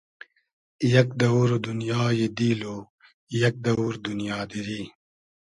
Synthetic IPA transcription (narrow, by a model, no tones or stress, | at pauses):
jɐk̚d̪ɐuːɾd̪unjaːjed̪iːloː | jɐk̚d̪ɐuɾd̪unijaːd̪iɾiː